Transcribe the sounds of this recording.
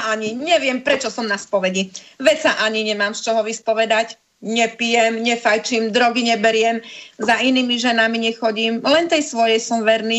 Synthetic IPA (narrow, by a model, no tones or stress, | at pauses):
aɲiɲɛʋɪɛmpɾɛt͡ʃɔsɔmnaspɔʋɛɟiʋɛt͡saʔaɲiɲɛmaːmst͡ʃɔɦɔʋispɔʋɛd̪ac | ɲɛpijɛmɲɛfajt͡ʃimd̪ɾɔɡiɲɛbɛɾɪɛmzainiːmiʒɛnamiɲɛxɔɟiːmlɛnt̪ɛjsʋɔjɛjsɔmʋɛɾniː